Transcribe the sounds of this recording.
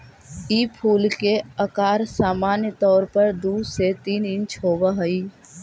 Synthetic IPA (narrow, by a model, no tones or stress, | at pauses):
iːpʰuːlkeɐkaːɾsaːmaːnjət̪ɔːɾpɐɾd̪uːset̪iːnɪ̃nt͡ʃɦoːbaɦɐiː